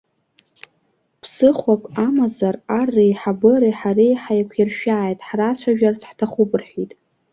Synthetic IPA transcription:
pʰsɨχʷakʷʼamazararːijħabɨɾiħaɾejħajkʷʰɪrʃᶣaːjtʼħrat͡ɕʷʰaʒᶣart͡sʰħtʰaχʷʊbɨrħitʼ

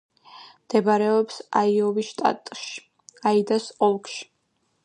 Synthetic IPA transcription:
md̪̥ɛbaɾɛɔpsaiɔviʃt̪ʼa̰t̪ʼʃ | aid̪asɔlˠkʼʃi̥

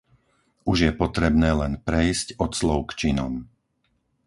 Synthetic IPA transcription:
uʒjɛpɔt̪ɾɛbnɛːlɛnpɾɛjscɔt̪slɔʊkt͡ʃinɔ̰m

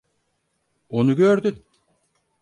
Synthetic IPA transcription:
onuɡøːɾd̪yn

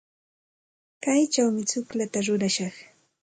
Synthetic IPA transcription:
kajt͡ʃawmɪt͡sʊklat̪aɾʊɾaʃɑχ

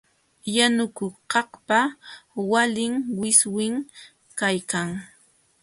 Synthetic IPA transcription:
janʊkʊqɑhpawalɪŋwɪswɪŋ | kajkaŋ

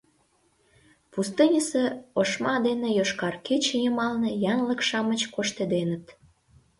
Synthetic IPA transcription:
pust̪ɨnʲəseoʃmɑd̪enejoʃkɑrket͡ɕejəmɑlnejɑnlə̆kʃɑmət͡ɕkoʃt̪ed̪enət̪

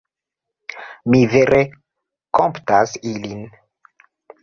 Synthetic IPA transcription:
miveɾʔe | komptasilin

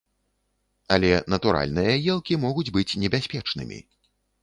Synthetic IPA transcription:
ɐlʲɛnɐt̪uɾa̰lʲnɨjɐjɛlˠkʲimɔɣud͡zʲbɨt͡sʲnʲɛbʲasʲpʲɛt͡ʂnɨ̰mʲḭ

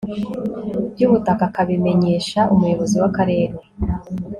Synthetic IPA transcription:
bɟuβutakakaβime̞ɲe̞ːʃaʔumujo̞βo̞ziwakaɾe̞ːɾe

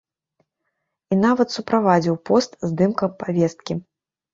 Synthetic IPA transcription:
inavɐt̪supɾʔavad͡zʲiwpɔst̪zd̪ɨmkɐpavʲɛst̪kʲi

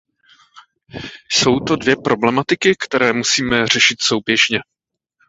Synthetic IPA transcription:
so̞wt̪o̞dvjɛpɾʔo̞blɛmat̪ɪkɪkt̪ɛɾɛːmusiːmɛr̝ɛʃɪt̪so̞wbjɛʒɲɛ

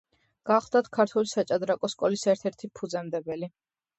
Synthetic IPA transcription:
ɡ̥aχlˠd̪at̪ʰkʰaɾt̪ʰulisat͡ʃʼad̪ɾakʼɔskʼɔlisɛɾt̪ʰɛɾt̪ʰipʰud̪zɛmd̪ɛbɛli

